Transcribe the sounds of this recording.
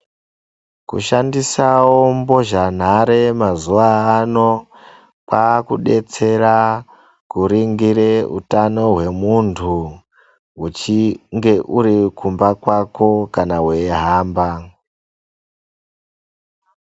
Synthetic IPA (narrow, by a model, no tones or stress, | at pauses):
kṵʃandisawo̞mbo̞ʒan̤aɾe̞mazuʋaːno̞ | kakuɗe̞t͡se̞ra | kuɾiŋɡiɾeṵtano̞ɦwe̞muntʰu | ɦut͡ʃiŋɡe̞ʔuɾikʰumbakwako̞kanaɦweɦaːmba